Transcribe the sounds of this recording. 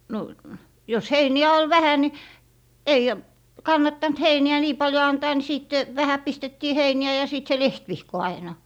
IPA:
no jos heiniæ ol ʋæhæ ni ei kɑnːɑtːɑnt heiniæ niː pɑljo ɑntɑː ni siˑt ʋæhæ pistetːiː heiniæ jɑ siˑt se lehtʋihko ɑinɑ

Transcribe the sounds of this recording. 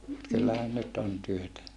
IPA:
mut kylːæhæn nyt on tyøtæ

